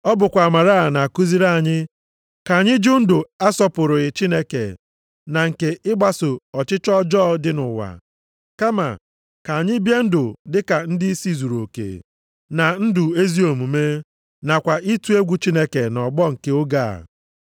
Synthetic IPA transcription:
ɔ˦bʊ˨kʷa˨a˨ma˨ɾa˦˨na˨a˨ku˦zi˦ɾa˦a˨ɲɪ˦ | ka˨a˨ɲɪ˦d͡ʒʊ˦n̩˦dʊ˨a˦sɔ˦pʊ˨ɾʊ˨ɪ˨t͡ʃi˦ne˦kḛ˨ | na˨ŋ̩˨ke˨ɪ˦ɡ͡ba˦sʊ˨ɔ˨t͡ʃɪ˦t͡ʃɔ˦d͡ʒɔː˦dɪ˦nʊ˨wa̰˨ | ka˦ma̰˨ | ka˨a˨ɲɪ˦bje˦n̩˦dʊ˨dɪ˦ka˨n̩˦dɪ˦si˦zu˨ɾo˨kḛ˨ | na˨n̩˦dʊ˨e˦zi˦o˨mu˨me˦ | na˨kʷa˨ʔi˦tu˦e˦ɡʷu˦t͡ʃi˦ne˦ke˨nɔ˨ɡ͡bɔ˦ŋ̩˨ke˦ʊ˦ɡa˦˨a̰˨

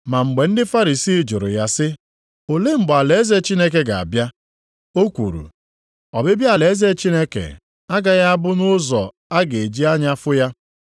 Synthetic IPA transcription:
ma˨ŋ͡m̩˨ɡ͡be˨n̩˦dɪ˦fa˦ɾi˨si˦d͡ʒʊ̰˨ɾʊ̰˨ja˦sɪ˦ | o˨le˦ŋ͡m̩˨ɡ͡ba˨le˨e˦ze˦t͡ʃi˦ne˦k̬e˦ɡa˨a̰˨bja˦ | o˦kʷṵ˨ɾṵ˨ | ɔ̰˨bɪ˦bja˨le˨e˦ze˦t͡ʃi˦ne˦kḛ˨ | a˦ɡa˦ɣa˦a˦bʊ˦nʊ˦zɔ̰˨ | a˦ɡe˨d͡ʒi˦a˦ɲa˦fʊ˦ja˦

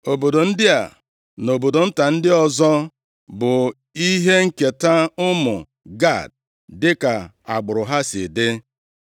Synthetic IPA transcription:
o˨bo˨do˨n̩˦dɪ˦a̰˨ | no˨bo˨do˨n̩˦ta˨n̩˦dɪ˦ɔ˨zɔ˦ | bʊ˨ | i˦ɦe˦ŋ̩˨ke˨ta˦ʊ˦mʊ˨ | ɡa˦˨d̚ | dɪ˦ka˨ | a˨ɡ͡bʊ˨ɾʊ˨ɦa˦sɪ̰˨dɪ˦

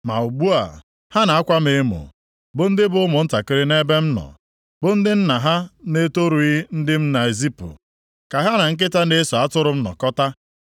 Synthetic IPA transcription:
ma̰˨u˨ɡ͡bu˦a̰˨ | ha˦na˨a˦kʷa˦mɪ˨˦mʊ̰˨ | bʊ˨n̩˦dɪ˦bʊ˦ʊ˦mʊ˨n̩˦ta˨kɪ˦ɾɪ˦ne˦be˦m̩˦nɔ̰˨ | bʊ˦n̩˦dɪ˦n̩˦na˨ɦa˦ne˦to˦ɾu˨i˦n̩˦dɪ˦m̩˦na˨e˨zi˦pʊ̰˨ | ka˨ɦa˦na˨ŋ̩˦k̬ɪ˦ta˦ne˦so˨a˦tʊ˦ɾʊ˦m̩˦nɔ̰˨kɔ˦ta˦

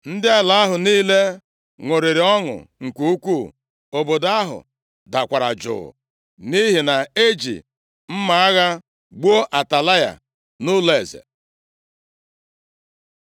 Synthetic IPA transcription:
n̩˦dɪ˦a˦la˨a˦ɦʊ˨niː˦le˦ | ŋʷo˨ɾe˨ɾɪ˨ɔ˦ŋʊ̰˨ŋ̩˨kʷu˦u˦kʷu˦˨ | o˨bo˨da˦ɦʊ̰˨ | da˨kʷa˨ɾa̰˨d͡ʒʊ̰˨ʊ̰˨ | ni˦ɦi˨na˨e˦d͡ʒḭ˨ | m̩˦ma˨a˦ɣa˦ | ɡ͡bo˦ʔa˨ta˨la˦ja̰˨ | nʊ˦le˨zḛ˨

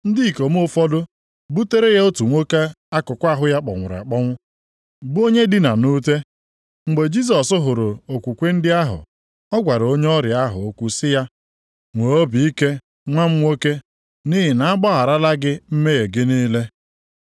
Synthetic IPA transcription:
n̩˦dɪ˦i˨ko˨m˦o˦fɔ˦dʊ˦ | bu˦te˦ɾe˦je˦o˦tu˨ŋʷo˦ke˦ | a˦kʊ˨kʷa˦ɦʊ˦ja˦k͡pɔ̰˨ŋʷʊ˨ɾa̰˨k͡pɔ˦ŋʷʊ˦ | bʊ˦o˦ɲe˦dɪ˦na˨nu˦te˦ | ŋ͡m̩˨ɡ͡be˨d͡ʒi˦s̬ɔ˨sʊ˦ɦʊ˨ɾʊ˨o˨kʷu˨kʷe˦n̩˦dɪ˦a˦ɦʊ̰˨ | ɔ˦ɡʷa˨ɾo˦ɲe˦ɔ˦ɾɪ˨a˦ɦʊ̰˨o˦kʷu˦sɪ˦ja˦ | ŋʷo˨o˦bi˨i˦ke˦ | ŋʷa˦m̩˦ŋʷo˦ke˦ | ni˦ɦɪ˨na˨a˦ɡ͡bɔ˦ɦa˨ɾa˦la˦ɡɪ˦m̩˦me˦je˨ɡɪ˦ni˦le˦

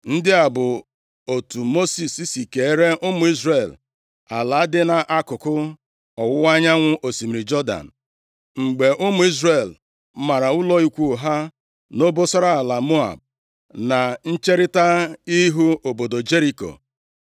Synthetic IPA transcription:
n̩˦dɪ˦a˨bʊ˨ | o˨tu˨mo˦si˨si˦si˨ke˨e˦ɾe˦ʔʊ˦mʊ˨˦i˦zɾe˨l | a˨la˨˦dɪ˦na˨ʔa˦kʊ˨kʊ˦ | ɔ˨wʊ˦wa˦ɲa˦ŋʷʊ˦ʔo˨si˨mi˨ɾi˨d͡ʒɔ˦da̰˨n̩˨ | ŋ͡m̩˨ɡ͡be˨ʔʊ˦mʊ˨˦i˦zɾe˨l | ma˨ɾa˨ʊ˦lɔ˦i˦kʷu˦˨ɦa˦ | no˦bo˦sa˦ɾa˦a˨la˨mo˦a̰˨b̚ | na˨n̩˦t͡ʃe˦ɾɪ˦ta˦i˦ɦu˦o˨bo˨do˨d͡ʒe˦ɾi˦ko̰˨

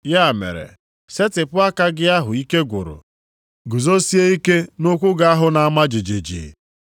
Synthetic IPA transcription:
ja˦˨mḛ˨ɾḛ˨ | se˦tɪ˨pʊ˦a˦ka˦ɡɪ˦a˦ɦʊ˨i˦ke˦ɡʷʊ̰˨ɾʊ̰˨ | ɡu˨zo˦si˦e˦i˦ke˦nʊ˦kʷʊ˦ɡa˦a˦ɦʊ˦na˨a˦ma˦d͡ʒɪ˨d͡ʒi˨d͡ʒḭ˨

